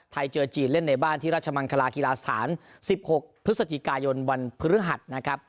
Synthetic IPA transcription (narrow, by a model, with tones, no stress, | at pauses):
t̪ʰa˧jt͡ɕɤː˧t͡ɕiː˧˩nle˥˩nːa˧jbaː˥˩nt̪ʰiː˥ɾa˦˥˩t̪̚t͡ɕʰa˧ma˧nkʰa˧laː˧ki˧laː˧sḁ˧t̪ʰa̰ː˩˦nsi˨˩p̚ho˨˩k̚pʰɾɯ˦˥sa˧t͡ɕi˨˩kaː˧jo˧nwa˧npʰɯ˦˥ɾɯ˦˥ɦa˨˩t̪̚na˦˥kʰɾa˦˥p̚